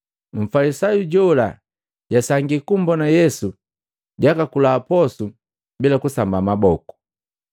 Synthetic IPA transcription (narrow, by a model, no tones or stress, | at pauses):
m̩falisajuɟɔla | ɟasaŋɡikumbɔnajɛsu | ɟakakulaːpɔsu | bilakusambamabɔku̥